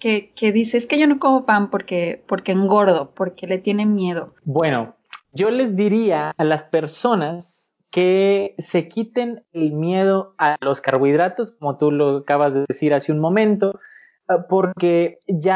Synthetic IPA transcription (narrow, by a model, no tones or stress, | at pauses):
keke̞ðise̞eskeʝono̞ko̞mopampo̞ɾke̞po̞ɾke̞ːŋɡo̞ɾðo̞po̞ɾke̞le̞t̪je̞ne̞mje̞ðo̞bwe̞no̞ | ɟ͡ʝo̞le̞zðiɾiaːlaspe̞ɾso̞nas | ke̞se̞kit̪e̞nelmje̞ð̞o̞alo̞skaɾβwiðɾat̪o̞sko̞mo̞t̪uloakaβazðeðesiɾasunmõ̞mẽ̞nt̪o̞ | po̞ɾke̞ʝa